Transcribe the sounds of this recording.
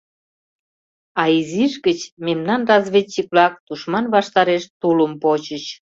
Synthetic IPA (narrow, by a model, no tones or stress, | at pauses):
ɑiziʃɡət͡ɕmemnɑnrɑzβʲetːik̚βlɑk̚t̪uʃmɑnβɑʃt̪ɑɾeʃt̪uləmpot͡ɕət͡ɕ